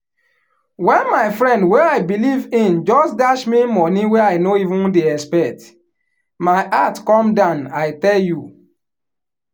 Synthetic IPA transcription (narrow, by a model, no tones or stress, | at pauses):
wɛ̃nmaɪfɾɛ̃ndwɛaɪbilivĩnd͡ʒɔstdaʃmimɔnĩwɛaɪnoivũndeɛspɛt | maɪʔatkɔmdãʊnaɪtɛlju